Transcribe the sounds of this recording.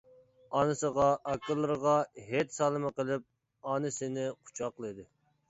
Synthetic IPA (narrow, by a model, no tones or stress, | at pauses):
ɑnɨsəʁɑʔɑkʲʰːɪlˠːɨɾʁɑɦet̪sɑːlˠɨmɨqəlˠɪp̚ | ɑnɨsɪnɪqʰu̥t͡ʃʰɑqlˠɨd̪ɪ